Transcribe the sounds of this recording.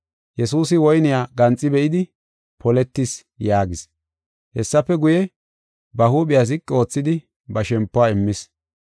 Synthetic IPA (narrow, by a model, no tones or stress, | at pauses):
jɛsuːs̬ɪwɔjnɪjaːɡɐnt͡sʼːɪbɛʔɪd̪ɪ | pɔlɛt̪ːɪs | jaːɡɪs | hɛsːɐpːɛɡʊjɛ | bɐhuːɓɪjaːs̬ɪkʼːɪo̞ːt͡sːɪd̪ɪ | bɐʃɛmpːʊaːɪmːɪs